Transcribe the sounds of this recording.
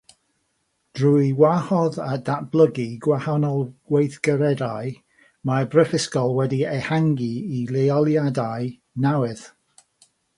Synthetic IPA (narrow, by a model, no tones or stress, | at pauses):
d̥rujwahɔðadab̥lˠəɡiɡwahanɔlˠɡwejθɡəɾɛdaj | mabrəfɪskɔlˠwɛdiɛhaŋɡiːlˠejɔlˠjadaj | nawɨð